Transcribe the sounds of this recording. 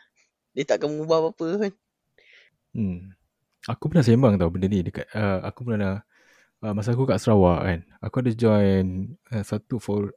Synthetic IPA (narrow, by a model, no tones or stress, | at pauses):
dət̪aʔkaməŋubahpapəkan | akupənasembaŋt̪awbənənidəkat̚əa̰kupənana | əmas̬aakukaʔsəɾawaʔkan | akuadəd͡ʒɔjnəsat̪ufɔ